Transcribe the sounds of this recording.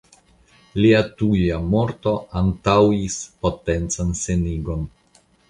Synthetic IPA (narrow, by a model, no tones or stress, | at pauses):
liatujamo̞ɾto̞antawispo̞te̞nt͡sanse̞niɡo̞n